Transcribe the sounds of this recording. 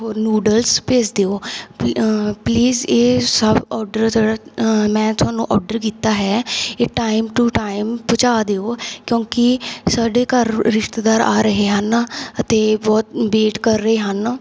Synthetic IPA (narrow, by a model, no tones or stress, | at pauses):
ɦoːɾnuːɖəlspeːt͡ʃd̪eːoː | pliːzeːsəbɔːɾɖəɾd͡ʒəɽaːmɛ̃ːt̪ʊɦaːnũːʔɔːɖəɾkiːt̪aːɦɛːeːʈaːɪmʈuːʈaːɪmpʊt͡ʃaːd̪eːoːkjõːkɪsaːɖeːkəɾːɪʃt̪d̪aːɾa̰ːɾəɦeːɦənət̪eːbɔːt̪̚beːʈkəɾːəɦeːɦən